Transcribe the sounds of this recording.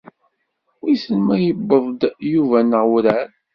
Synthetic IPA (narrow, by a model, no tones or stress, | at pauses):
wisəlmæjəbːəðˤd̪juvænəʁwɾæɾ